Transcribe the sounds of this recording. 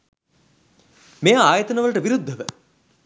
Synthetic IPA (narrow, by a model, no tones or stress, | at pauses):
mejaːjət̪ɐnəʋəlʈəʋiɾud̪ʱːəʋə